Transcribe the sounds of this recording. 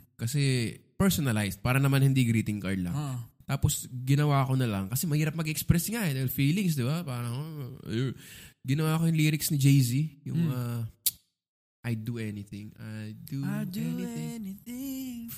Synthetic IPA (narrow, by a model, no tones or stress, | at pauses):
kɐsɛpɛɹsonɐlajsd̪̚paːɾɐnɐmanhɪnd̪iɡɾiːt̪ɪŋkaɹd̪lɐ̰ŋt̪aːposɡɪnɐwaːko̞nɐlɐŋkɐsɛmɐhiːɾɐp̚mɐɡɪʔɛkspɾɛsɪŋaɛd̪aːhɪlfiːlɪŋsd̪ɪbapaːɾɐŋɐko̰jɡɪnɐwaːɐkojʊŋliːɾɪksnɪd͡ʒejzijʊŋa | ʔajd̪uʔɛnɪθɪ̃ŋajd̪ud̪ɛniɪŋniθɪŋ